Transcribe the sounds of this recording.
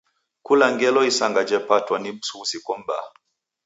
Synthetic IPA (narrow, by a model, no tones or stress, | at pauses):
kulaŋɡɛlɔisaŋɡad͡ʒɛpatwanibususikɔm̩ba̰